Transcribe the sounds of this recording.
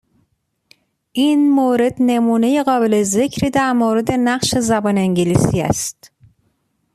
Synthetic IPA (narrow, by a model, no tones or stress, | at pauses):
ʔinmoːɾe̞d̪ne̞muːne̞jeɣɒːbeleze̞cʰɾiːd̪æɾmoːɾe̞d̪e̞næɢʃe̞zæbɒːneeŋɟelisiːæ̰st̪